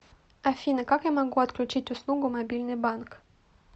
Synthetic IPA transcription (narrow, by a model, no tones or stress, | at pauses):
afʲinəkakjamaɡuat̪klʲut͡ʃit̪ʲuslˠuɡumobʲilʲnɨjbank